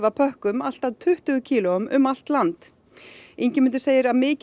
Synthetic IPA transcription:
vapʰœhkʏmal̥t̪aðt̪ʰʏht̪ʏɣʏcʰiːlɔʏmʏ̰mal̥t̪lant̪ | ejɲcɪmʏnt̪ʏseːjɪɾaðmɪːc

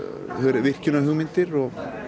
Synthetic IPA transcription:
hœɾvɪr̥cɪʏnaɦʏɣmɪnt̪ɪɾɔɣ

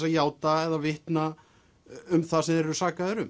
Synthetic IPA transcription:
saðjaːwt̪aɛðavɪht̪na | ʏmθasɛmðɛɾɛɾʏsaːkaðɪɾʏm

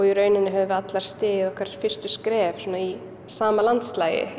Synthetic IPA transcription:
ɣiɾœːɥnɪnːɪɦɛvʏat̪laɾ̥st̪ɪːɣɪðɔhkaɾfɪr̥st̪ʏskɾɛːvsuːnai | saːmalant̪slaːjɪ̰

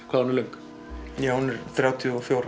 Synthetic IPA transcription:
kʰvaðnɪleŋk | jawhunɛɾθɾjawt̪ʰjɔfjowɾ

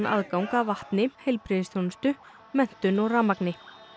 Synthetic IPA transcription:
nʔa̰ðkawŋkavaht̪nɪhejlpɾɪðsθjownst̪ʏ | mɛn̥t̪ʏnɔɣraːmaknɪ

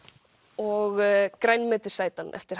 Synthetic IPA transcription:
ɔɣkɾajnmɪːt̪ɪ̥saːjt̪anɛ̰ft̪ɪɾ̥

